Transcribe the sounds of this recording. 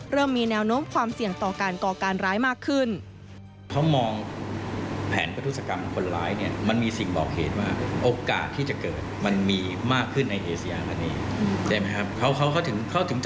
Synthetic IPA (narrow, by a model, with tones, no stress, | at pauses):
ɾɤː˥˩mːiː˧nɛː˧˥wnoː˦˥mkʰwaː˧msi˨˩əŋt̪ɔː˨˩kaː˧nkɔː˨˩kaː˧nɾaː˦˥jmaː˥˩kʰːɯ˥˩n | kʰa˦˥wmɔː˧ŋ | pʰɛ̰ː˩˦npʰa˧u˦˥t̪̚sa˧ka˧mkʰo˧nɾaː˦˥jni˥˩ɐma˧nmiː˧si˨˩ŋbɔ̰ː˨˩k̚hḛː˨˩˦t̪̚waː˥˩ʔoː˧ka̰ː˨˩t̪ʰːiː˥˩t͡ɕa˨˩kɤː˨˩t̪̚ma˧nmiː˧ | maː˥˩kʰːɯ˥˩nːa˧jʔeː˧sa˧jaː˧p̪ʰa˧neː˧ | t͡ɕʰa˥˩jma˦˥jkʰa˦˥p̚kʰa˦˥wkʰa˦˥wkʰa˦˥˩wt̪ʰɯ˩˦ŋkʰa˦˥˩t̪ʰɯ˩˦ŋt͡ɕ